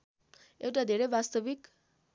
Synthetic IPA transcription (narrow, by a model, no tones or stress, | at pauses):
ewʈad̪ʱeɾʌjbast̪ʌbik